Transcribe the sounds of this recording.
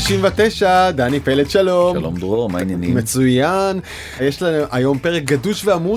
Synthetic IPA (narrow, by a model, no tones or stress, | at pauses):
iʃimvet̪eʃad̪anipeled̪ʃalo̞lo̰md̪ʁomanjanḭmet͡sujan | jeʃlaemʔajo̞mpeʁek̚ɡaduʃveamu